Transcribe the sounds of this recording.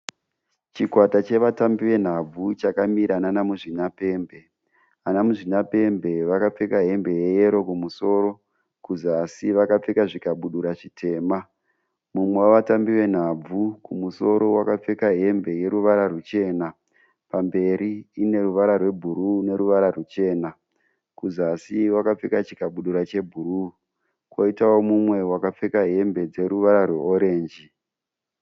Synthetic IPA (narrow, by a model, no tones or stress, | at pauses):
t͡ʃikwatat͡ʃe̞ʋatambiwe̞n̤ab͡vut͡ʃakamiɾananamuʐinape̞ːmbe̞ | anamuʐinape̞mbe̞ʋakap͡fekaɦe̞mbe̞je̞je̞ɾo̞kumuso̞ːɾo̞ | kuzasiʋakap͡fekaʐikaɓuɗuɾaʐitʰe̞ːma | mumwewaʋatambiwe̞n̤ab͡vukumuso̞ɾo̞wakap͡fekaɦe̞mbe̞je̞ɾuʋaɾarut͡ʃe̞ːna | pambe̞ɾiːne̞ruʋaɾarwe̞bʱuɾune̞ɾuʋaɾarut͡ʃe̞ːna | kuzasiwakap͡fekat͡ʃi̥kaɓuɗuɾat͡ʃe̞bʱuɾu | kwoitawo̞mumwe̞wakap͡fekaɦe̞mbe̞d͡ze̞ɾuʋaɾarwe̞oɾe̞ːnd͡ʒi